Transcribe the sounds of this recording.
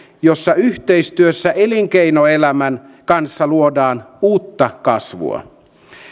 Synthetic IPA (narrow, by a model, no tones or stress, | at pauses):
josːɑyht̪eist̪yøsːæʔeliŋkeinoelæmæn | kɑnsːɑluodɑːnuːt̪ːɑkɑsʋṵɑ̰